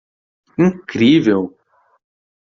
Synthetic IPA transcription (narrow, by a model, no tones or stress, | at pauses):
ĩŋkɾivew